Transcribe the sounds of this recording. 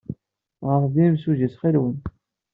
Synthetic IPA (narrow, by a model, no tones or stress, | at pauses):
ʁəfðimsuʝisχilwən